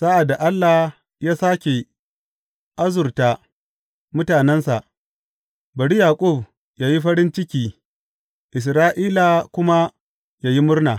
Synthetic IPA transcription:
sa˦ʔa˨da˨ʔa˦lːa˨h | jaː˦saː˦kʲe˨ | ʔa˦zʊ˨rta˦ | mʊ˦taː˨nɛ˦nsa̰˨ʔ | bɐ˨ɽi˦jaː˨kʷʼʊ˦˨b | jaː˦ji˦ɸɐ˦ɾɪ˦nt͡ʃɪ˦kʲiː˦ | ʔɪ˨s̬ɾaː˦ʔiː˦la˨kʷʊ˦ma˦ | jaː˦ji˦mʊ˦rnaː˨

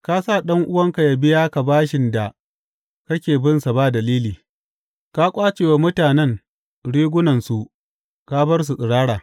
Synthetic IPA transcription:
ka˦sa˦˨ɗɐ˦ŋʔʊ˦wɐ˦ŋka˨ja˨bɪ˦jaː˦ka˨baː˦ʃɪ˨nda˨ | kɐ˦kʲeː˨bɪ˦nsa˨baː˦dɐ˨liː˦liː˨ | ka˦kʷʼaː˦t͡ʃeː˨wa˨mʊ˦taː˨nɛ˦ŋ | ɽiː˦ɡʷʊ˦nɐ˨nsu˨ʔ | ka˦bɐ˦rs̬u˨sʼɪ˨ɽaː˦ɽaː˨

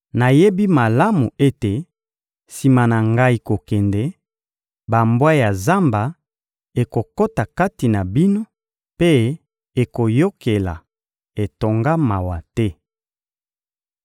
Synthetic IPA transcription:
na˨je˦bi˦ma˨la˦mu˨e˦te˨ | si˨ma˨na˨ŋɡa˦i˦ko˨kɛ˨ndɛ˦ | ba˨mbwa˦ja˨za˦mba˨ | e˨ko˨ko˦ta˨ka˦ti˨na˨bi˦no˦ | pe˦ | e˨ko˨jo˦ke˨la̰˨ | e˨to˨ŋɡa˦ma˨wa˨tɛ˦

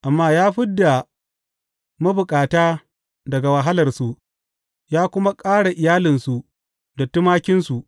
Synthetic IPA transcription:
ʔa˨mːaː˦jaː˦ɸɪ˦dːa˨ | ma˦bʊ˨kʼaː˨taː˦ | dɐ˨ɡa˨wɐ˨ɦa˦lɐ˨rsu˨ʔ | jaː˦kʷʊ˦ma˦kʼaː˦ɽa˨ʔɪ˨jaː˦lɪ˨nsu˨ | dɐ˨tːʊ˦maː˦kʲɪ˦nsu˨ʔ

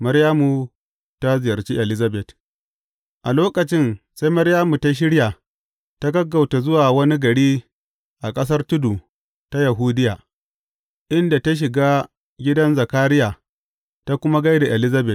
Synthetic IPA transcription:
mɐ˦ɾjaː˦mu˨ | ta˦zɪ˨jɐ˨rt͡ʃiː˦ʔɛ˨lɪ˦zɐ˦bɛ˨t | ʔa˨loː˦kɐ˨t͡ʃɪ˦nsa˦jmɐ˦ɾjaː˦mu˨ta˦ʃ̬ɪ˦ɽja˨ | ta˦ɡɐ˦ɡːa˨wta˨zʊ˦waː˨wɐ˦ni˦ɡɐ˨ɽiː˦ | ʔa˨kʼɐ˦s̬ɐ˦rtʊ˦du˨ | ta˦jɐ˨ɦuː˦dɪ˦jaː˨ | ʔɪ˦nda˨ta˦ʃ̬ɪ˨ɡaː˦ | ɡʲɪ˦dɐ˦nzɐ˨kaː˦ɾɪ˦jaː˨ | ta˦kʷʊ˦ma˦ɡa˦jda˨ʔɛ˨lɪ˦zɐ˦bɛ˨t̚

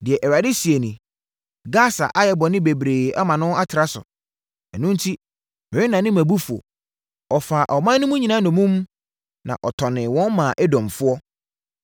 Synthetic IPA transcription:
dɪ˨ɛ˨ʔɛ˨ɾa˨dɪ˦si˨e˨nĩ˨ | ɡa˦˨sa̰˨ʔa˦jɛ˨bɔ˨nɪ̃˦be˨bɾeː˨a˦mã˨nʊ̃˦a˦tʰɪ˨ɾa˦sʊ̰˨ | ɛ˨nʊ̃˦n̩˦tʰi˦ | mɪ̃˨ɪ̃˦nã˨nɪ̃˦mæ̃˨bu˦fu˨ɔ̰˨ | ɔ˨faː˨ʔɔ˨mã˦nː˦ʊ̃˦mũ˦ɲĩ˨nã˦nʊ̃˨mũ˦m | nã̰˨ʔɔ˨tʰɔ˨nɪ̃˨wɔ̃˦nmã˨ʔɛ˦dɔ̃˨mfʊ˦ɔ˦

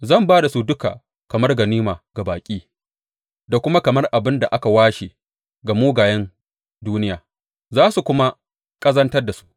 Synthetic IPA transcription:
zɐ˦˨mbaː˦da˨su˦dʊ˦ka̰˨ | kɐ˨mɐ˦rɡɐ˨niː˦maː˨ɡa˨baː˨kʲʼiː˦ | da˨kʷʊ˦ma˦kɐ˨mɐ˦rʔa˨bɪ˦nda˨ʔa˦ka˨waː˦ʃe˨ | ɡa˨muː˦ɡaː˨jɐ˦n | duː˦nɪ˦jaː˨ | zaː˦su˨kʷʊ˦ma˦ | kʼɐ˦zɐ˦ntɐ˦rda˨su̥˦ʔ

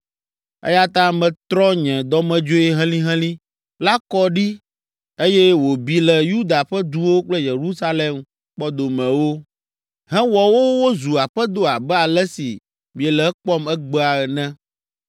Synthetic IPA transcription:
ɛ̰˦ja˦t̪ã˦mɛ̃˨t̪ɾɔ˦ɲɛ̃˨d̪ɔ˦mɛ̃˦d͡ʒo˦ɛ˦ɦɛ̃˦lĩ˦ɦɛ̃˦lĩ˦ | la˦kɔ˦ɖi˦ | e˦jɛ˦wo˨bi˨lɛ˨ju˦d̪a˨ɸɛ˦d̪u˦wo˦k͡plɛ˦je˨ɾu˦sa˦lɛ˨m | k͡pɔ˦d̪o˨mɛ̃˨wo˦ | ɦɛ̃˦wɔ˨wo˦wo˦zu˨a˨ɸɛ˦d̪o˦a˨bɛ˦a˨lɛ˦si˨ | mĩ˨ɛ˨lɛ˨˦k͡pɔ˦mɛ˦ɡ͡bɛ˦a˨ɛ˨nɛ̃˦

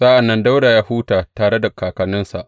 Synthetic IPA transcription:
sa˦ʔa˨nːɐ˦nda˦wɽaː˨jaː˦huː˦taː˨taː˨ɽe˦da˨kaː˨kɐ˨nɪ˦nsa˨ʔ

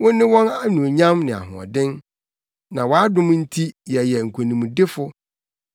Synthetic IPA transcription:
wʊ̃˦n˦nːɪ̃˦wɔ̃˦na˦nũ˨ɲã˦mnɪ̃˨a̰˨ɦʊ̰̃˨ɔ̰˨dɪ̃˦n | nã˨wɔ˨a˦dʊ̃˦m˦n̩˦tʰi˦jɛ˨jɛ˨ŋ̩˨kʷʰo˨nĩ˨mũ˨dɪ˦fʊ˦

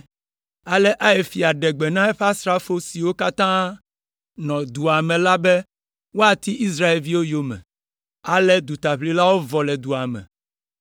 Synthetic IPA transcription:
a˨lɛ˦ʔa˦e˨fi˨a˨ɖɛ˨ɡ͡be˨nã˦ɛ˦ɸa˦sɾa˦fo˦si˨wo˦ka˦t̪ã˦ | nɔ̃˨d̪u˨a˨mɛ̃˨la˦bɛ˦ | wo˦a˨t̪i˦ʔi˦s̬ɾa˦e˨lvi˦wo˦jo˦mɛ̰̃˨ | a˨lɛ˦d̪u˨t̪a˨ɸli˦la˦wo˦vɔ˨lɛ˨d̪u˨a˨mɛ̰̃˨

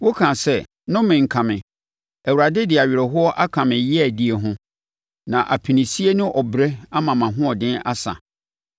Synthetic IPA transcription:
wo˦kʰã˨sɛ˦ | nʊ̃˦mɪ̃˨ŋ̩˨kʰã˨mɪ̃˨ | æ˨wu˨ɾa˨dɪ˦dɪ˨a˨ɥɪ˨ɾɛ˨ɦʊ˦ɔ˦ʔa˦kʰã˨mɪ̃˨jɪ˦æ˨di˦e˨ɦʊ̃˦ | nã˨ʔa˨pʰi˨nĩ˨si˦e˦nʊ̃˦ʔɔ˨bɾɛ˦a˦mã˨mã˨ɦʊ̃˦ɔ˨dɪ̃˦na̰˦sa̰˨

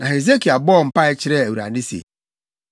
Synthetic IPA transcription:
na˨ɦe˨ze˦ki˨a˨bɔ˦˨m̩˦pa˦ɪ˦t͡ʃɪ˦ɾe˦e˨wu˨ɾa̰˨di˦sḭ˨

